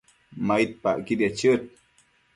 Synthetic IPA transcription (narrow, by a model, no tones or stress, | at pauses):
majit̪̚pa̰ʔkid̪at͡ʃət̪̚